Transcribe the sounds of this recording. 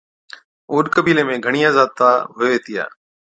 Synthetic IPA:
oːɗkəbiːleːmẽːɡʱəɳ̃iːaːzaːd̪̚t̪aːɦʊjoːʋeːt̪ɪja̰ː

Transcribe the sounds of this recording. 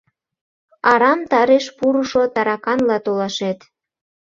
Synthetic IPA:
ɑɾɑmt̪ɑɾeʃpuɾuʃot̪ɑɾɑkɑnlɑt̪olɑʃet̪

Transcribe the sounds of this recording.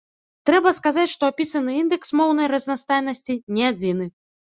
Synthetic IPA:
t̪ɾɛbɐskazat͡sʲʂt̪ɔapʲisɐnɨind̪ɛksmɔwn̪ɐjɾɐzʲnast̪ajnɐsʲt͡sʲinʲɛad͡zʲinɨ

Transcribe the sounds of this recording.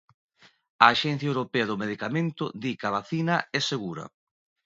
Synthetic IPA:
ɐːʃɛn̟θjɐewɾopeɐðʊmeðikamẽnt̪ʊðikɐβaθinɐɛseɣuɾɐ̰

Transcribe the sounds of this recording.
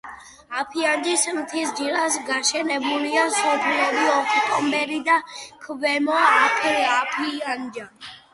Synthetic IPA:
apʰiand͡ʒismt̪ʰisd͡ʒiɾasɡaʃɛnɛbuliasɔpʰlɛbiɔpʰit̪ʼɔmbɛɾid̪akʰvɛmɔaːpʰapʰiand͡ʒa

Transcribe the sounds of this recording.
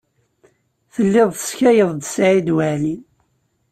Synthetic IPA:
θəlːɪðˤθə̥sçæjəðˤd̪əsʕid̪wæʕlin

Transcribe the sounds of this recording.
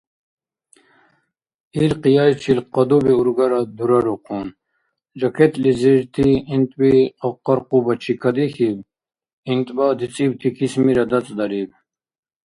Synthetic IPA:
ilqijajt͡ʃʰilqɑd̪ubiuɾɡɐɾad̪uɾɐɾoqʰun | d͡ʑɐkʰet̪liziɾt̪ʰiint̪biɐqɑɾqubɐt͡ʃʰikʰɐd̪ixib | int̪bɑːd̪it͡sʼibt̪ʰikʰismiɾad̪ɐt͡sʼd̪ɐɾib

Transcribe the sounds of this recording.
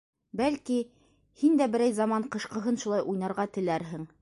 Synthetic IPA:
bælki | hind̪æbɘ̆ɾæjzɑmɑɴqɤ̆ʃqɤ̆ɦɤnʃulˠɑjʔujnɑɾʁɑt̪ɘ̆læɾɦɘŋ

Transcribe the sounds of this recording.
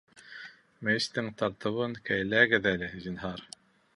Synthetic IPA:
mest̪ɘŋt̪ɑɾt̪ɤ̆βɤnkæjlæɡɘðælɘhzĭnɦɑɾ

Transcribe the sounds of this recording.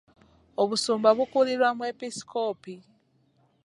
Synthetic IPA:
oβusuːmbaβukuliɾwamwe̞pisi̥ko̞ːpi

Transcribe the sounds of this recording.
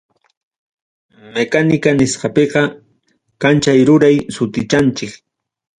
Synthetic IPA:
mekanɪkanɪsqɑpeɢɑ | kant͡ʃajɾʊɾajsʊt̪ɪt͡ʃant͡ʃɪk

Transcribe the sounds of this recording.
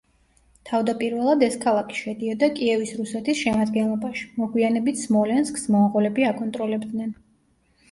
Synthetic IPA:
t̪ʰavd̪apʼiɾvɛlˠad̪ɛskʰalˠakʰi̥ʃɛd̪iɔd̪akʼiɛvisɾusɛt̪ʰisʃɛmad̪ɡɛnlˠɔbaʃi̥mɔɡwianɛbit̪ʰsmɔlɛnsksmɔʁɔlɛbiakʼɔnt̪ʼɾɔlɛbd̪nɛn

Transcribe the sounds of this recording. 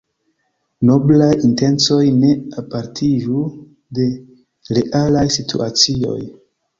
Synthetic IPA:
no̞blajinte̞nt͡so̞jne̞apaɾtʰiʒu | de̞ | ɾeʔalajsitʰṵat͡sio̞̰j

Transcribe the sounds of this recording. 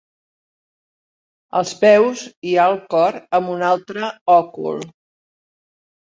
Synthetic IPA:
ə̰lˠspɛwzialˠkɔɾəmbunalˠt̪ɾəɔkṵlˠ

